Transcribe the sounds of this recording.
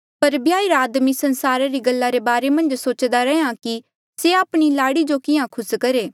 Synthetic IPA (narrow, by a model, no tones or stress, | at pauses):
pɐɾbjaːiɾaːd̪misɐnsaːɾaɾiɡɐlːaɾebaːɾemɐ̃nd͡ʒsoːt͡ʃd̪aɾɛɦãki | seaːpɽ̃ilaːɽid͡ʒokɪjãkʰʊskɐɾeː